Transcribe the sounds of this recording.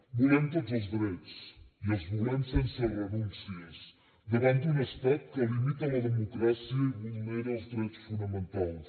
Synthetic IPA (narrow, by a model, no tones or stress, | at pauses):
bulent̪od̪uzuzðiɾɛt̪u̥sielˠzβulemsenserenũnsies | ðəβãnt̪unɐspɛkt̪kɐlimit̪ɐlɐðemukɾasjiɐβuleɾɐwzðiɾɛjt̪u̥sfunɐmẽnt̪alˠs